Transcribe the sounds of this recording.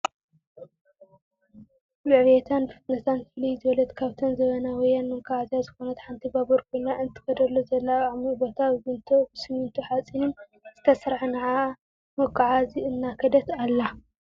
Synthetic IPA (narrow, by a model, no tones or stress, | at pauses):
lɨʕβjet̪ʰanbɨfɨt̪nɐt̪ʰanfɨlijzɨβɐlɐt̪kʰaβt̪ʰonzɐβɐnawɔjːanmɨŋkʰʼaʕazjazɨxo̞nɐt̪ħant̪ʰibaboɾkʰonaʔɨnt̪ʰɨ̥ɡɐd̪ɐlːozɐlːaamibo̞t̪ʰaβɨbɨnt̪ʰobɨsɨmɨnt̪ʰuħat͡sʼinɨn | z̥ɨt̪ʰɐsɾħnɐʕa | mɐkʼːaʕaziɨnːakʰɐd̪ɐt̪alːa